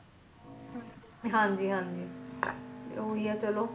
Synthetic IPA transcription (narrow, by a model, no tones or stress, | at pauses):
ɦãːɲd͡ʒiːɦãːɲd͡ʒiː | oɦiat͡ʃəloː